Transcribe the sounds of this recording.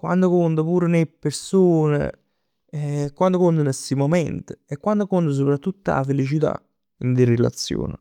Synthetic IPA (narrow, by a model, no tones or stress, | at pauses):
kwa̰nd̪okont̪əpuːɾenepːeɾsuːnḛ | kwand̪okond̪ənesimomɛnt̪ə̥ekːwand̪okont̪əs̬opɾat̪ːut̪ːaa̰felit͡ʃit̪a̰ | ind̪irela̰t̪sːjo̰ːnə̰